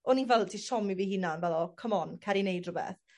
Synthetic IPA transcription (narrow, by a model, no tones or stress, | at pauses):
ɔninvɛlˠdtʰisɔmivihɪnanvɛlˠɔkʰəmɔnkʰaɾinejdrʊbɛ̰θ